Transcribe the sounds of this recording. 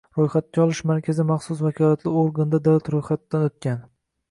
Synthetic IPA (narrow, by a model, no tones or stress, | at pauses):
ɾojχat̪̚kʲaɒlˠɪʃmaɾkʲʰazɪmɑχsʊsvakʲʰɒlat̪lɪoɾɡand̪ad̪awlat̪ɾojχat̪d̪ːanot̪̚kʲan